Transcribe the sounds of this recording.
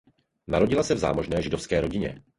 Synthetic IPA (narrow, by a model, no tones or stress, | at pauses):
naɾo̞ɟɪlasɛvza̰ːmo̞ʒnɛːʒɪdofskɛːɾo̞ɟɪɲɛ̰